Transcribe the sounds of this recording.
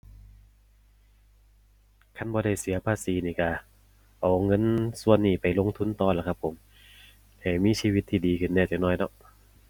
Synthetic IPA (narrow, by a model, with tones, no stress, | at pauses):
kʰa˧˥˨nbɔː˧˦ɾa˧˩jsi˨˩˦ɐpʰaː˧˨siː˨˦niː˧˩ka˧˩ | ʔa˨˩wŋɤ˧˥˨nsu˧˨ənːiː˧˩pa˨jlo˧˨ŋt̪ʰu˧˥˨nt̪ɔː˧˩la˧˩kʰa˧pʰːo˨˦m | hɛː˧˩miː˧˥˨siː˧wi˧˩t̪ʰːiː˧˩diː˨˧kʰɯ˧˩nːɛː˧˩t͡ɕa˨˧˩nɔː˧˥˩jdɔ˧˦ʔ